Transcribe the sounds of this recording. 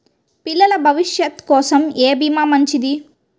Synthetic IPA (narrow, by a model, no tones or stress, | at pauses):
pilːɐlɐbʱɐʋiʃjɐt̪kɔːsɐmeːbimaːmɐɲt͡ʃid̪i